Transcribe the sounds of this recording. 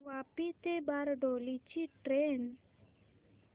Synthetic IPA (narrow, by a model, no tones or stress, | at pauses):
wapit̪ebaɾɖolit͡ɕiʈɾen